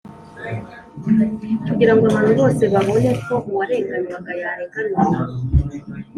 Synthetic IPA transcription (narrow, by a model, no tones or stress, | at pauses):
kuɡiɾaŋɡoaβanuβo̞ːse̞βaβo̞ne̞ko̞muwaɾeːŋɡaniβaɡajaɾeŋɡania